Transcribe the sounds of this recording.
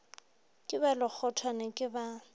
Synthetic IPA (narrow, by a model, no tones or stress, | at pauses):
kʼɪbalɪk͡xʰɔtʰwanɛkʼɪba